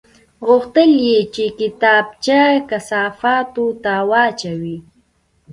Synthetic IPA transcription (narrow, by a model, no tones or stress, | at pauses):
ɢoχt̪ɪljit͡ʃɪkɪt̪aːp̚t͡ʃakasaːfat̪ut̪awaːt͡ʃawi